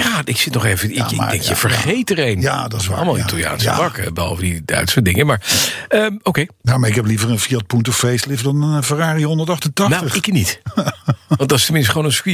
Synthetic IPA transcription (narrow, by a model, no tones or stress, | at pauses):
jaːɪksɪtnɔχejvəɪɪ̰ɡ̰̚dɛŋkjjə̰v̥əɹχejtəɾejnja̰dɑsʋalˠmalˠitlˠja̰ːnsə̰bɑkə̰bəɦɑ̰lˠvədidœ̰ɥtsədɪŋəmaːɹəmowkejjamaɹɪkɛplivəɹənfiɑt̚puntɔfejstlɪvdɑnfəraːriɦɔndəɹtɑχtəntɑnatəχɪknit | ʋɑndɑɪstəmɪ̃nstəχʋoːnənski